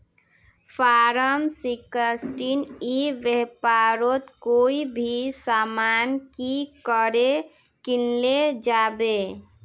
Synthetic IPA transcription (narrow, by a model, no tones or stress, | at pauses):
pʰaɾəmsikəsʈiniʋjepaɾot̪koibʱisamankikəɾe | kinled͡ʒabe